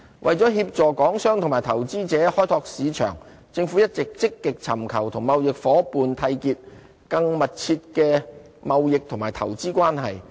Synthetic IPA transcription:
wʔɐ̰˨jt͡sɔː˨˥ɦiː˧p̚t͡sɔː˨kɔː˨˥ŋsœː˥ŋt̪ʰʊ˨˩mː˨˩jt̪ʰɐ˨˩wt͡siː˥t͡sɛː˨˥hɔː˥jt̪ʰɔː˧k̚siː˨˧t͡ʃʰœ̰ː˨˩ŋ | t͡sɪ˧ŋfuː˨˥jɐ˥t̚t͡sɪ˨k̚t͡sɪ˥kːɪ˨k̚t͡sʰɐ˨˩mkʰɐ˨˩wt̪ʰʊ˨˩ŋmɐ˨wjɪ˨k̚fɔː˨˥puː˨nt̪ʰɐ˧jkiː˧t̚ | kɐ˧ŋmɐ˨t̚t͡sʰiː˧t̚kɛː˧ | mɐ˨wjɪ˨k̚t̪ʰʊ˨˩ŋmaː˨˩jt̪ʰɐ˨˩wt͡siː˥kwaː˥nɦɐ˨j

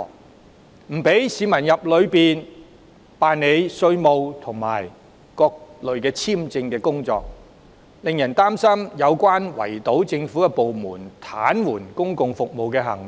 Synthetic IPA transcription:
m̩˨˩pe˨˥jsiː˨˧mɐ˨˩njɐ˨p̚lɵ˨˧ɥpiː˨n | paː˨nne˨˧jsɵ˧ɥmo˨wt̪ʰʊ˨˩ŋma̰ː˨˩j | kɔː˧k̚lɵ˨ɥkɛː˧t͡sʰiː˥mt͡sɪ˧ŋkɛː˧kʊ˥ŋt͡sɔ̰ː˧k̚ | lɪ˨ŋjɐ˨˩nt̪aː˥msɐ˥mjɐ˨˧wkʷaː˥nwɐ̰˨˩jt̪o˨˥wt͡sɪ˧ŋfu˨˥kɛː˧po˨wmuː˨˩nt̪ʰaː˨˥nwuː˨˩nkʊ˥ŋkʊ˨ŋfʊ˨k̚mo˨wkɛː˧ɦɐ̰˨˩ŋ

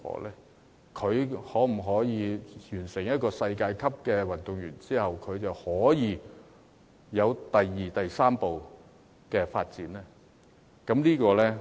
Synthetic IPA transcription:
ɔ̰ː˨˩lɛː˥ | kʰɵ˨˧ɥhɔː˨˥m̩˨˩ɦɔː˨˥jiː˨˧jyː˨˩nsɪ˨˩ŋjɐ˥t̚kɔː˧sɐ˧jkaː˧jkʰɐ˥p̚kɛː˧wɐ˨˩nt̪ʊ˨ŋjyː˨˩nt͡siː˥hɐ˨wkʰɵ˨˧ɥt͡sɐ˨whɔː˨˥jiː˨˧ | jɐ˨˧wt̪ɐ˨˩jːiː˨t̪ɐ˨jsaː˥mpo˨w | kɛː˧faː˧t̚t͡siː˨˥nɛː˥ | kɐ˨˥mniː˥kɔː˧lɛː˥

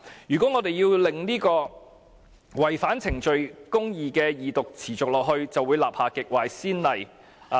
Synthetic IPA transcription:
jyː˨kɔː˨˥ŋɔː˨˧d̪e˨jiː˧wlɪ˨ŋniː˥kɔː˧ | wɐ˨˩jfaː˨˥nt͡sʰɪ˨˩ŋt͡ʃɵ˨ɥkʊ˥ŋjiː˨kɛː˧jiː˨t̪ʊ˨k̚t͡sʰiː˨˩t͡sʊ˨k̚lɔː˨k̚ɦhɵ˧ɥt͡sɐ˨wːuː˨˧jlaː˨p̚haː˨˩kɪ˨k̚waː˨˩jsiː˥nlɐ˨j

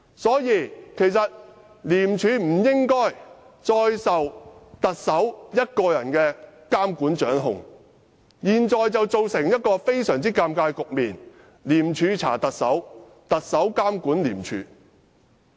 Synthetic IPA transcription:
sɔː˨˥jiː˧kʰe˨˩jsɐ˨t̚ | liː˨˩mt͡ʃʰyː˨˥m̩˨˩jɪ˥ŋkɔː˥j | t͡sɔː˧jsɐ˨wt̪ɐ˨k̚sɐ˨˥wjɐ˥t̚kɔː˧jɐ˨˩nkɛː˧kaː˥mkuː˨˥nt͡ʃœː˨˥ŋɦʊ̰˨ŋ | jiː˨˩nt͡sɔː˨jt͡sɐ˨wt͡so˨wsɪ˨˩ŋjɐ˥t̚kɔː˧fe˥jsœː˨˩ŋt͡siː˥kaː˧mkaː˧jkʊ˨k̚miː˨˩n | liː˨˩mt͡ʃʰyː˨˧t͡sʰa̰ː˨˩t̪ɐ˨k̚sɐ̰˨˥w | t̪ɐ˨k̚sɐ˨˥wkaː˥mkuː˨˥nlḭː˨˩mt͡ʃʰy̰ː˨˥

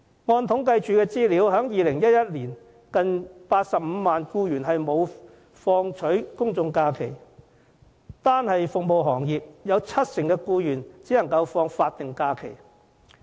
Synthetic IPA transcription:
ŋɔː˧nt̪ʰʊ˨˥ŋkɐ˧jt͡ʃyː˨kɛː˧t͡siː˥liː˨˥wɦœː˨˥ŋjiː˨lɪ˨˩ŋjɐ˥t̚jɐ˥t̚liː˨˩n | kɐ˨npaː˧t̚sɐ˨p̚m̩ː˨˧maː˨nkuː˧jyː˨˩nɦɐ˨jmo˨˧w | fɔː˧ŋt͡ʃʰɵ˨˥ɥkʊ˥ŋt͡sʊ˧ŋkaː˧kʰe˨˩j | t̪aː˥nhɐ˨jfʊ˨k̚mo˨wɦɔː˨˩ŋjiː˨p̚jɐ˨˧wt͡sʰɐ˥t̚sɪ˨˩ŋkɛː˧kuː˧jyː˨˩nt͡si˨˥nɐ˨˩ŋkɐ˧wfɔː˧ŋfaː˧t̚t̪ɪ˨ŋkaː˧kʰḛ˨˩j

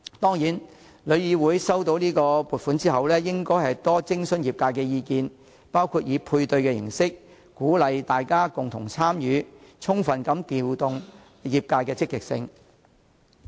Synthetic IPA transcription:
t̪ɔː˥ŋjiː˨˥n | lɵ˨˧ɥjiː˨˧wuː˨˥jsɐ˥wt̪o˨˧˥wniː˥kɔː˧puː˨t̚fu˨˥nt͡siː˥ɦɐ˨wlɛː˥jɪ˥ŋkɔː˥jhɐ˨jt̪ɔː˥t͡sɪ˥ŋsɵ˥njiː˨˩p̚kaː˧jkɛː˧jiː˧kiː˨˧n | paː˥wkʰuː˧t̚jiː˨˧pʰuː˧jt̪ɵ˧ɥkɛː˧jɪ̰˨˩ŋsɪ˥k̚ | kuː˨˥lɐ˨˧jt̪aː˨jkaː˥kʊ˨ŋt̪ʰʊ̰˨˩ŋt͡sʰaː˥mjyː˨˧˥t͡sʰʊ˥ŋfɐ˨nkɐ˨˥mt̪iː˨wt̪ʊ˨ŋ | jiː˨p̚kaː˧jkɛː˧t͡sɪ˥kːɪ˨k̚sɪ̰˧ŋ

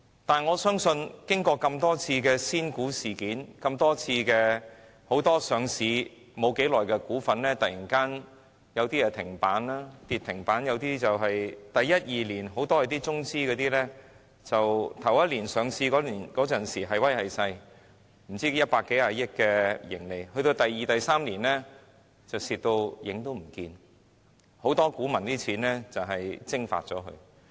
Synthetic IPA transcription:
t̪aː˨˩nŋɔː˨˧sœː˥ŋsɵ˧nkɪ˥ŋkɔː˧kɐ˧mt̪ɔː˥t͡sʰiː˧kɛː˧siː˥nkuː˨˥siː˨˩kiː˨˥nkɐ˧mt̪ɔː˥t͡sʰiː˧kɛː˧ | ho˨˥wt̪ɔː˥sœː˨˧ŋsiː˨˧ | mo˨˧wke˨˥jlɔː˨˩jkɛ˧kuː˨˥fɐ˨˧nlɛː˥t̪ɐ˨ji˨˩nkaː˥n | jɐ˨˧wt̪iː˥jɛː˧t̪ʰɪ˨˩ŋpaː˨˥nlaː˥t̪iː˨t̪ʰɪ˨˩ŋpaː˨˥njɐ˨˧wt̪iː˥t͡sɐ˨wɦɐ˨jt̪ɐ˨jːɐ˥t̚jiː˨liː˨˩nɦo˨˥wt̪ɔː˥hɐ˨˩t̪iː˥t͡sʊ˥ŋt͡siː˥kɔː˨˧t̪iː˥lɛː˥ | t͡sɐ˨wt̪ʰɐ˨˩wɐ˥t̚liː˨˩nsœː˨˧ŋsiː˧kɔː˨˥liː˨˩nkɔː˨˥t͡sɐ˨˩nsiː˨˩ɦɐ˨jwɐ˥jhɐ˨jsɐ˧j | m̩˨˩t͡siː˥jɐ˥t̚paː˧kːe˨˥jaː˧jɪ˥k̚kːɛː˧jɪ˨˩ŋle˨jhɵ˧ɥt̪o˧wt̪ɐ˨jːiː˨˧t̪ɐ˨jsaː˥mliː˨˩nlɛː˥ | t͡sɐ˨wsiː˨t̚t̪o˧wjɪ˨˥ŋt̪o˥wm̩˨˩kiː˧n | ho˨˥wt̪ɔː˥kuː˨˥mɐ˨˩nt̪iː˥t͡sʰiː˨˥nlɛː˥t͡sɐ˨wɦɐ˨jt͡sɪ˥ŋfa̰ː˧t̚t͡sɔː˨˥ɦɵ̰˧ɥ

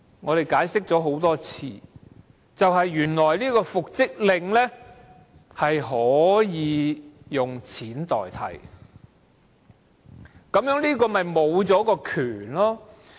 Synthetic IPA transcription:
ŋɔː˨˧ɾe˨jkaː˨˥jsɪ˥k̚t͡sɔː˨˧˥ɦo˨˥wt̪ɔː˥t͡sʰḭː˧ | t͡sɐ˨wɦɐ˨jːyː˨˩nlɔː˨˩jliː˥kɔː˧fʊ˨k̚t͡sɪ˥k̚lɪ˧ŋlɛː˥ | hɐ˨jɦɔː˨˥jiː˨˧jʊ˨ŋt͡sʰiː˨˥nt̪ɔ̰ː˨jt̪ʰɐ̰˨˩j | kɐ˨˥mjœː˧˥ŋnliː˥kɔː˧mɐ˨jmo˨˧wt͡sɔː˨˥kɔː˧kʰyː˨˩nlɔː˥

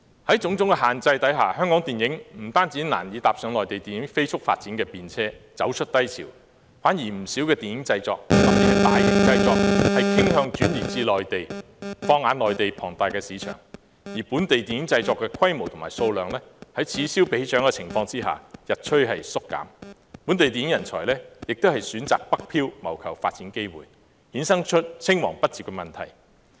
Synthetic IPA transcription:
hɐ˨˥jt͡sʊ˨˥ŋt͡sʊ˨˥ŋkɛ˧ɦaː˨˩nt͡sɐ˧jt̪ɐ˨˥jɦaː˨˩hœː˥ŋkɔː˨˥ŋt̪iː˨njɪ˨˥ŋm̩˨˩t̪aː˥nt͡siː˨˥naː˨˩njiː˨˧t̪aː˨p̚sœː˨˧ŋlɔː˨jt̪e˨jt̪iː˨˩njɪ˨˥ŋfe˥jsʊ˥k̚fa̰ː˧t̚t͡siː˨˥nkɛː˧piː˨nt͡sʰɛː˥t͡sɐ̰˨˥wt͡ʃʰɵ˥t̚t̪ɐ˥jt͡sʰḭː˨˩w | faː˨˥njiː˨˩m̩˨˩si˨˥wkɛː˧t̪iː˨˩njɪ˨˥ŋt͡sɐ˧jt͡sɔ̰ː˧k̚fɐ˨˥miː˨˩˨t̪aː˨jɪ˨˥ŋt͡sɐ˧jt͡sɔː˨˧k̚hɐ˨˥jkʰɪ˥ŋɦœː˧ŋt͡ʃyː˨˥njiː˨t͡siː˧lɔː˨jt̪e˨j | fɔː˧ŋːaː˨˧nlɔː˨jt̪e˨jpʰɔː˨˩ŋt̪aː˨˧jkɛː˧siː˨˧˥t͡ʃʰœ̰ː˨˩ŋ | jiː˨˩puː˨˥nt̪e˨jt̪iː˨njɪ˨˥ŋt͡sɐ˧jt͡sɔː˧kːɛː˧kʰɐ˥jmo˨˩wt̪ʰʊ˨˩maː˨˩so˧wlœː˨ŋlɛː˥hɐ˨˥jt͡sʰiː˨˧siː˥wpe˨˥jt͡ʃœː˨˥ŋkɛː˧t͡sʰɪ˨˩ŋfɔː˧ŋt͡siː˥ɦa̰ː˨jɐ˨t̚t͡ʃʰɵ˥ɥɦɐ̰˨jsʊ˥kːa̰ː˨˥m | puː˨˥nt̪e˨jt̪iː˨njɪ˥ŋjɐ˨˩nt͡ʃʰɔ̰ː˨˩jlɛː˥jɪ˨k̚t̪o˥hɐ˨˩jsyː˨˥nt͡sa̰ː˨k̚pɐ˥k̚pʰiː˥wmɐ̰˨˩wkʰɐ˨˩wfaː˧t̚t͡siː˨˥nke˥jwṵː˨j | hiː˨˥nsɐ˥ŋt͡ʃʰɵ˥t̚t͡sʰɪ˥ŋwɔ̰ː˨˩ŋpɐ˥t̚t͡si˨p̚kɛ˧mɐ˨nt̪ʰɐ̰˨˩j

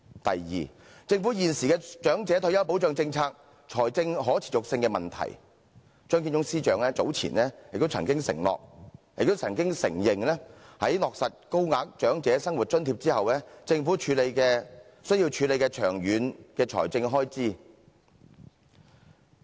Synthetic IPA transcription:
t̪ɐ̰˨jjḭː˨ | t͡sɪ˧ŋfuː˨˥jiː˨nsiː˨kɛː˧t͡ʃœː˨˥ŋt͡sɛː˨˥t̪ʰɵ˧jɐ˥wp̬o˨˥wt͡ʃœː˨˧ŋt͡sɪ˧ŋt͡sʰaː˧k̚ | t͡ʃʰɔː˨˩jt͡sɪ˧ŋɦɔː˨˥t͡sʰi̥˨˩jʊ˨k̚sɪ˧ŋkɛː˧mɐ˨nt̪ʰɐ̰˨˩j | t͡ʃœː˥ŋki˧nt͡ʃʊ˥ŋsiː˥t͡ʃœː˨˧ŋɛː˥t͡so˨˥wt͡sʰḭː˨˩nɛː˥jɪ˨k̚t̪o˥wt͡sʰɐ˨˩ŋkɪ˥ŋsɪ̰˨˩ŋlɔ̰ː˨k̚jɪ̰˨k̚t̪wt͡sʰɐ˨˩ŋkɪ˥ŋsɪ̰˨˩ŋjɪ˨ŋlɛː˥hɐ˨˥jlɔː˨k̚sɐ˨t̚ko˥wŋaː˨˧k̚t͡ʃœː˨˥ŋt͡sɛː˨˥sɐ˥ŋwu˨t̚t͡ʃɵ˥nt̪ʰiː˧p̚t͡siː˥hɐ˨wlɛː˥t͡sɪ˧ŋfuː˨˥t͡ʃʰyː˨˥le˨˧jkɛː˧ | sɵ˥ɥji˧wt͡ʃʰyː˨˧le˨˧jkɛː˧t͡ʃʰœː˨˩ŋjyː˨˥nkɛː˧t͡ʃʰɔ̰ː˨˩jt͡sɪ˧ŋɦɔː˥jt͡siː˥

